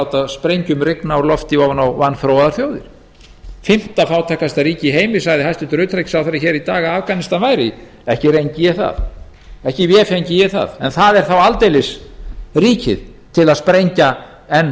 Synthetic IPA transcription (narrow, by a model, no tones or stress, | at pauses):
wt̪aspɾejɲcʏmrɪknaɔɾlɔft̪ɪɔwvnawvanːfɾoːwaðaɾ̥θjoːwðɪɾ̥ | fɪm̥t̪afaːwt̪ʰahkast̪aɾiːcɪɦeːjmɪsajðɪɦajst̪ʏnt̪ɾʏːt̪ʰɾajcsawθaɾɪçɛːɾit̪aːɣaavkanɪst̪anvaːjɾɪ | ɛhcɪɾejɲcɪjɛθa̰ð | ɛhcɪvjɛːfeɲcɪjɛθa̰ðɛnθaðɛɾ̥θawalt̪ejlɪsriːcʰɪ̰ð | t̪ʰɪlaðspɾejɲca | ɛnː